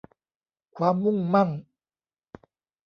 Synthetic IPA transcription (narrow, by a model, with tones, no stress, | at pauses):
kʰwaː˧mːu˥˩ŋma˥˩ŋ